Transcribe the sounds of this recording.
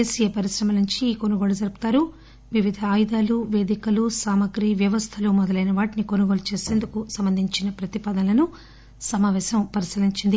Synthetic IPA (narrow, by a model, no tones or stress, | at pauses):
esijɐpɐɾisɾɐmɐnuɲt͡ʃiːkonuɡoːlud͡ʒɐɾupu̥t̪aːɾu | ʋiʋid̪ʱɐaːjd̪aːluʋe̞ːd̪ikɐlusaːmɐɡɾiʋjɐʋɐst̪ʰɐloːmɔd̪ɐlɐjnɐʋaːʈinikonuɡoːlɐt͡ʃe̞ːse̞nd̪ukusɐmbɐnd̪ʱiɲt͡ʃinɐpɾɐt̪ipɐd̪ɐnɐlɐnu | sɐmaːʋɛːʃɐmpɐɾisiliɲt͡ʃind̪i